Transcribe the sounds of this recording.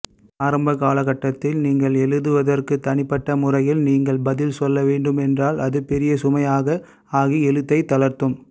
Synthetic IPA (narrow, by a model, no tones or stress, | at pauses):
aːɾɐmbɐkaːlɐɣɐʈːɐt̪ːɪlniːŋɡɐɭɛɻɯðɯʋɐðɐrkɯt̪ɐnɪpːɐʈːɐmʊrɐjɪlniːŋɡɐɭbɐðɪlsɔlːɐʋeːɳɖɯmɛndraːlɐðɯpɛɾɪjɐsʊmɐjaːɣɐ | aːɣiɛɻɯt̪ːɐɪt̪ːɐlɐɾt̪ɯm